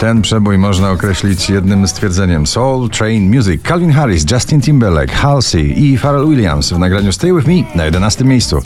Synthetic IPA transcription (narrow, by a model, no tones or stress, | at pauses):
t̪ɛnpʂɛbujmɔʐnaɔkɾɛɕlʲit͡ɕjɛd̪nɘmst̪fʲjɛɾd̪zɛɲɛmsɔwlt̪ɾɛjnmʲjuzikʰːalvʲinxaɾisd͡ʒast̪int̪imbɛɾlɛ̰kxalsḭifaɾɛlwilʲja̰msvnaɡɾaɲust̪ɛjwɘvmʲinajɛd̪ɛnast̪ɘmʲːjejst̪sṵ